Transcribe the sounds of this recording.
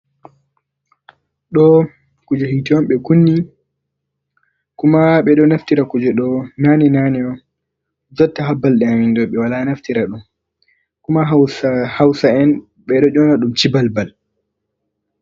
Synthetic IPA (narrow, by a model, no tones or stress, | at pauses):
ɗɔ | kud͡ʒɛhitiwɔmɓɛkunːi | kumaɓɛɗɔnaftiɾakud͡ʒɛɗɔnanɛnanɛɔ | d͡ʒɔtːaɦabːalɗɛamindɔɓɛwalanaftiɾaɗum | kumaɦhawsaɛn | ɓɛɗɔd͡ʒɔnaɗumt͡ʃibalbal